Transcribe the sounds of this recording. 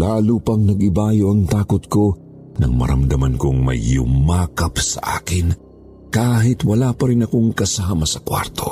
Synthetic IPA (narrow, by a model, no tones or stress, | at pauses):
laːluːpɐŋnɐɡɪbaːjoʔɐŋt̪aːkot̪ko̞ | nɐ̰ŋmɐ̰ɾɐ̰md̪ɐmɐnkoŋmɐ̰jːʊ̰maːkɐpsɐ̰ʔa̰ːkɪn | kaːɦɪt̪wɐlaːpɐɾɪnɐko̞ŋkɐsamɐsɐkwa̰ɾt̪ʰo̞